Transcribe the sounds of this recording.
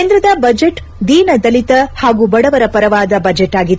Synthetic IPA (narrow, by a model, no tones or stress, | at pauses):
eːnd̪ɾɐd̪ɐbɐd͡ʒeʈ | d̪iːnɐd̪ɐlit̪ɐhaːɡuːbɐɽɐʋɐɾɐpɐɾɐʋaːd̪ɐbɐd͡ʒeʈːaːɡit̪ː